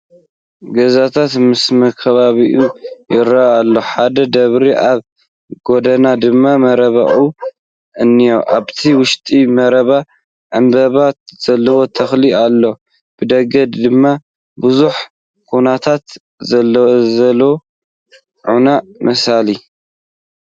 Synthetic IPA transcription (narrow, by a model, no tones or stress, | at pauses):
ɡɐzat̪ʰat̪mɨsmɐkʰɐβaβiʔujɪɾaalːo̞ħad̪ɐd̪ɐβɾiʔaβ | ɡo̞d̪ɐnad̪ɨmːamɐɾɐβa̰ʔu | ʔɨnːijoʔa̰βt̪ʰiwʊʃt̪ʼimɐɾɐβa | ʔɨmbɐβat̪z̥ɐlːɐwo̞t̪ʰɐxlialːo̞ | b̥ɨd̪ɐɡɐd̪d̪ɨmːa | bɨzuħ | kʰunat̪ʰat̪ | zɐlzɐlwo | ʕunamʔɐsali